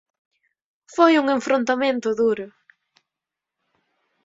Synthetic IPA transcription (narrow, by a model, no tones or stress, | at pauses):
fojuŋẽɱfɾõnt̪amẽnt̪ʊðuɾʊ